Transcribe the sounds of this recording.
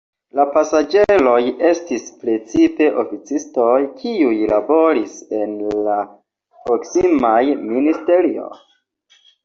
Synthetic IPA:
lapasad͡ʒe̞lo̞je̞stispɾe̞t͡sipe̞ʔo̞fit͡sisto̞jkʰiujlabo̞ɾise̞nla | pɾo̞ksimajministe̞ɾio̞̰

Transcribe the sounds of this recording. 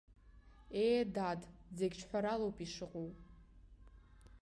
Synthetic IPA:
ejdadzeɡʲt͡ʃʰħʷᶣaɾalowpʼiʂɨqʼuw

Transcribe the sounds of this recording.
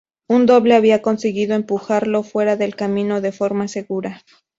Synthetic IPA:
und̪o̞βle̞aβiako̞nseɣiðo̞e̞mpuxaɾlo̞fwe̞ɾaðe̞lkamĩno̞ðe̞fo̞ɾmase̞ɣuɾa

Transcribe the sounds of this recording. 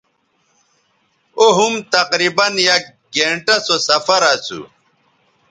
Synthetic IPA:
oɦumt̪ɐqɾibɐnja | ɡeɳʈɐ̃sosɐfɐɾat͡sṵ

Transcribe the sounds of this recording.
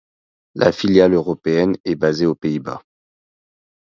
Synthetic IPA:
lʔa̰filjaløʁɔpeɛnɛbazeopeiba̰

